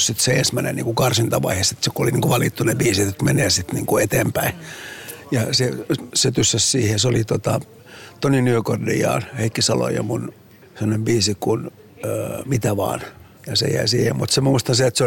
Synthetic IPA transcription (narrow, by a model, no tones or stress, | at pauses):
ssit̪seensmænḛnḭŋkukɑrsint̪ɑʋɑ̰ihesit̪sekuoliniːŋkoʋɑlit̪ːunebiːsit̪et̪meneːsit̪nḭːŋkuet̪eːmpæi | jɑseset̪ysːæssiːhesolit̪ot̪ɑ | t̪oninyøkordḭjɑ̰ːnheikːisɑlo̰jɑ̰mun | semːonembiːsikun | ømit̪æʋɑ̰ːn | jɑsḛjæ̰isiːhemmut̪semmuist̪ɑnseet̪se